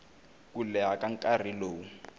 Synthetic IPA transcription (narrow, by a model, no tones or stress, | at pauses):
kulɛɦakaŋkʼariloːu